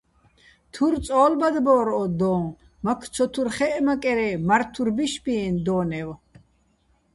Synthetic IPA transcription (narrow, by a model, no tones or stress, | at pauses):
t̪ʰuɾt͡sʼɔːlbad̪bɔːɾɔd̪ɔː | makʰt͡sʰɔt̪ʰuɾχɛʔmakʼɛɾɛmaɾt̪ʰuɾbiʃbind̪ɔːnɛw